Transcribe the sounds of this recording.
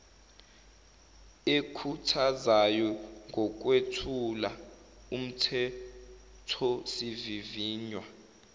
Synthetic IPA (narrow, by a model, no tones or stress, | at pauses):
ekʰutʰazajɔŋɡɔk̬ʼwetʰula | um̩tʰɛ | tʰɔsiviviːɲwa